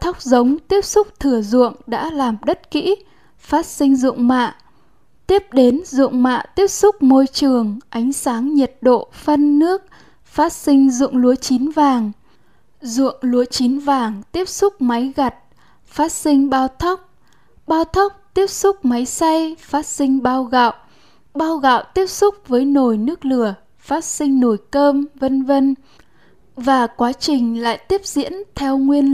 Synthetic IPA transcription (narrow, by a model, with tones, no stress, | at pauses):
t̪ʰa˦˥wk͡p̚zə˨˦wŋ͡mt̪i˦˥əp̚sʊ˦˥k͡p̚t̪ʰɨ˧˩əzʊ̰˧˨əŋɗa̰ː˧˥laː˨˩mɗə˦˥t̚kḭ˧˥ | faː˦˥t̚sï˧ŋ̟zʊ̰˧˨ŋ͡mma̰ː˧˨ | t̪i˦˥əp̚ɗe˨˦nzṵ˧˨əŋ͡mma̰ː˧˨t̪i˦˥əp̚sʊ˦˥k͡p̚mo˧jt͡ɕɨ˨˩əŋʔa˨˦jŋ̟saː˨˦ŋɲə˨˩t̚ɗo̰˧˨fə˧nːɨ˦˥ək̚ | faː˦˥t̚sï˧ŋ̟zʊ̰˧˨ŋlu˨˦ət͡ɕi˨˦nvaː˨˩ŋ | zṵ˧˨əŋlu˨˦ət͡ɕi˨˦nvaː˨˩ŋt̪i˦˥əp̚sʊ˦˥k͡p̚ma˨˦jɣa˨˩t̚ | faː˦˥t̚sï˧ŋ̟ɓaː˧wt̪ʰa˦˥wk͡p̚ | ɓaː˧wt̪ʰa˦˥wk͡p̚t̪i˦˥əp̚sʊ˦˥k͡p̚ma˨˦jsa˧jfaː˦˥t̚sï˧ŋ̟ɓaː˧wɣa̰ː˧˨w | ɓaː˧wɣa̰ː˧˨wt̪i˦˥əp̚sʊ˦˥k͡p̚vəː˨˦jno˨˩jnɨ˦˥ək̚lɨ˧˩ə | faː˦˥t̚sï˧ŋ̟no˧˩jkəː˧mvə˧nvə˧n | vaː˨˩kwaː˨˦t͡ɕï˨˩ŋ̟la̰ː˧˨jt̪i˦˥əp̚zḭ˧˥ənt̪ʰɛ˧wŋwi˧ən